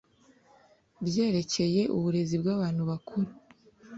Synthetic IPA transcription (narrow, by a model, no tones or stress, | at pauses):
bje̞ːɾe̞ce̞je̞ʔṵβuɾe̞zibɡaːβaːnhuβakʰuɾu